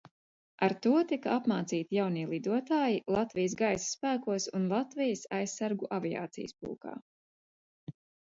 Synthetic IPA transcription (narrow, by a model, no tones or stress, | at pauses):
aɾt̪uɔt̪ikaapmaːt̪siːt̪ijawniːlˠid̪uɔt̪aːjilˠat̪vijəs̬ɡajsspæːkuɔsunlˠat̪vɛjəsajssaɾɡuʔavija̰ːt̪sḭjəspṵːka̰ː